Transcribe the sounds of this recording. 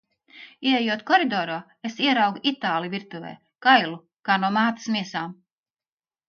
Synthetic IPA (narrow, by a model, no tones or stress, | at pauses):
iɛejuɔt̪kɔɾid̪ɔːɾoː | esiɛɾawɡuʔit̪aːlˠijvʲiɾt̪uvɛ̰ː | kajlˠu | kaːnuɔmaːt̪ḁsmiɛsaːm